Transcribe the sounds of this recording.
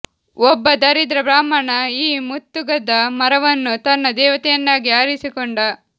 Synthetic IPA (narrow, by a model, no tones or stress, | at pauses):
ɔbːɐd̪ɐɾid̪ɾɐbɾaːmɐɳɐiːmut̪ːuɡɐd̪ɐmɐɾɐʋɐnːut̪ɐnːɐd̪ɛːʋɐt̪ɛjɐnːaːɡiaːɾisikɔɳɖɐ